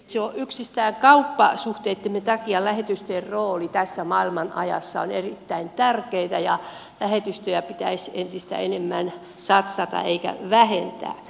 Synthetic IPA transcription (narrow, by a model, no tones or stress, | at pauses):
seoʔyksist̪æːŋkɑupːɑ̰suht̪eet̪ːemːet̪ɑkiɑlæhet̪yst̪erroːlit̪æsːæmɑilmɑnʔɑjɑ̰sːɑo̰nerit̪ːæint̪ærkeit̪æjɑ | læhet̪yst̪øjæpit̪æisent̪ist̪æ̰enemːæn | sɑt̪sɑt̪ɑ̰eikæ̰ʋæhent̪æ̰ː